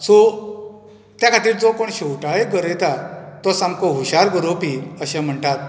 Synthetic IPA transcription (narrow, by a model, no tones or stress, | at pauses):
so | t̪jakʰat̪iːɾd͡zokoɳɕewʈaɭeɡəɾɛt̪at̪ɔsamkoɦuɕaɾɡəɾopiəɕɛ̃m̤əɳʈat̪̚